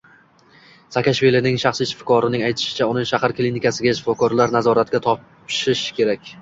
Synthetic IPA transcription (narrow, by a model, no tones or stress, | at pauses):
sakʲaʃvilinɪŋʃaχsiʃfkʰɒɾɪnɪŋajt̪ʰɪ̥ʃɪ̥t͡ʃʰaʊnɪŋʃahaɾklʲinɪkʲasɪɡʲaɪʃɪ̥fɒkɒɾlaɾnazɒɾat̪̚ɡʲat̪ʰɒp | ʃɪʃkʲʰe̞ɾakʲ